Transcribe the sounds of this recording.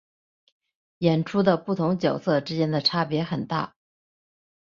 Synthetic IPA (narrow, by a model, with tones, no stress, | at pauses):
jɛ˨˩nʈ͡ʂʰu˥d̪ə˨pu˥˩t̪ʰʊ˧˥ŋt͡ɕjɑ˨˩ʊsɤ˥˩ʈ͡ʂɻ̩˥t͡ɕjɛ˥nd̪ə˨ʈ͡ʂʰa˥pjɛ˧˥xə˨˩nt̪a̰˥˩